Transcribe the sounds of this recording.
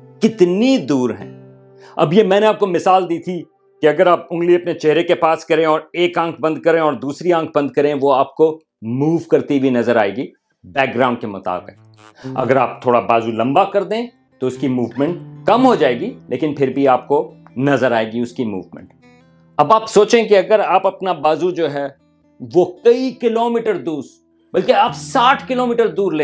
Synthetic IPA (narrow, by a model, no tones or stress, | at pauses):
kɪt̪nid̪uːɾɦɛ̰̃ː | ɐ̰bjemɛ̃ːneaːp̚komɪsaːld̪iːt̪ʰi | keɐɡəɾaːpʊ̃ŋɡliɐpnet͡ʃɛɦɾekepaːskɐɾẽɔːɾeːkãːŋkʰbɐ̃nd̪̚kɐɾẽɔːɾd̪uːsɾiãːŋk̚ʰbɐ̃nd̪̚kɐɾẽʋoaːp̚ko | muːʋkɐɾt̪ibʱinɐzəɾaːeːɡi | bɛːk̚ɡɾãːʊɳɖ̚kemʊt̪a̰ːbɪ̰k̚ | ɐ̰ɡəɾaːp̚t̪ʰoːɽabaːzulɐ̃mbakɐɾd̪ẽː | t̪oʊskimuːʋmɛ̃ɳʈkɐmɦod͡ʒaːeːɡilʔḛːkɪnpʰɪɾbʱiaːp̚konɐzəɾaːeːɡiʊskimṵːʋmɛ̰̃ɳʈ | ɐbaːpsoːt͡ʃẽkiɐɡəɾaːpɐpnabaːzud͡ʒoːɦɛː | ʋokɐikɪloːmɪːʈəɾd̪uːɾs | bɐlkeaːpsaːʈʰkɪloːmɪːʈəɾd̪uːɾleː